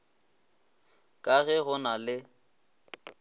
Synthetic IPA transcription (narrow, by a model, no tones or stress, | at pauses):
kʼaɣɛɣʊnalɪ